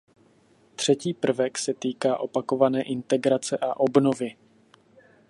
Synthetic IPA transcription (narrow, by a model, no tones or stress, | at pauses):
t̪r̝̥ɛciːpr̩vɛksɛt̪iːkaːʔo̞pako̞vanɛːʔɪnt̪ɛɡɾat͡sɛʔaʔo̞bno̞vɪ